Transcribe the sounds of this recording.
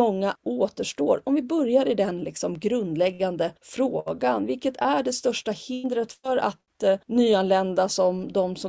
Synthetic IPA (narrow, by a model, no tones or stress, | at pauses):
ɔŋːaoːt̪əʂʈoːɾɔmvɪbœɾjaɾɪd̪ɛnlɪksɔmɡɾɵnd̪lɛɡːand̪əfɾoːɡanvɪlkət̪ʰæɖɛst̪œʂʈahɪnd̪ɾət̪fœɾa̰t̪nyːanlɛnd̪asɔmd̪ɔmsɔ